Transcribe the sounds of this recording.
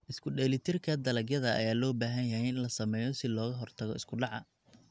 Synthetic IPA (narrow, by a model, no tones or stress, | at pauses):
ʔɪskʰʊɖɛːlɪt̪ʰɪrkʰɐd̪ɐlɐɡjɐðɐɐ̰jaːlɔːbaːɦɐnjɐɦɛjɪɪnlɐsɐmɛːjɔsɪlɔːɣɐɦɔrt̪ʰɐɣɔ̰ɪskʰʊɖɑʕɑ̰